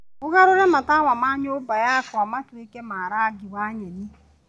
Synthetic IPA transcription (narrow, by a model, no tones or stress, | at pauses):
ʊɣaɾʊɾemataŋʷamaɲʊbajaakʊamatʊikemaaɾaɡɪwaɲeni